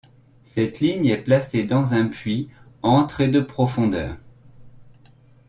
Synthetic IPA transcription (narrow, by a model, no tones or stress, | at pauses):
sɛt̪liɲɛplased̪ɑ̃zɛ̃pɥiɑ̃t̪χed̪əpχɔfɔ̃d̪œ̰ːʁ